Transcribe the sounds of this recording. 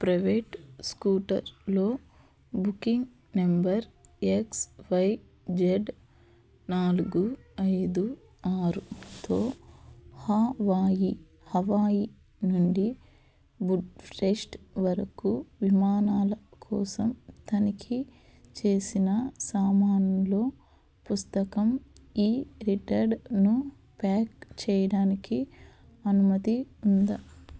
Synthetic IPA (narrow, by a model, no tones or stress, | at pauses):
pɾɐjʋeːʈskuːʈɐ̰ɾlo̞ː | bukiŋɡ | nembɐɾeksʋɐj | d͡ʒeɖ | naːluɡuɐjd̪u | aːɾut̪oː | haːʋaːji | hɐʋaːji | nuɳɖi | buɖpʰɾeʂʈʋɐɾɐkuʋimaːnaːlɐkʰɔːsɐmt̪ɐnikʰi | t͡ʃe̞ːsinɐsaːmaːnɐmlo̞ː | pust̪ɐkɐmiːɾiʈɐɾɖnu | paːkt͡ʃɛːjɐɽaːniki | ɐnumɐt̪iund̪a